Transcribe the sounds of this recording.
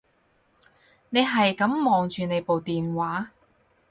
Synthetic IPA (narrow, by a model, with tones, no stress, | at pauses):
ne˨˧jɦɐ˨jkɐ˨˥mːɔː˨ŋt͡ʃyː˨ne˨˧jpo˨wt̪iː˨nwaː˨˥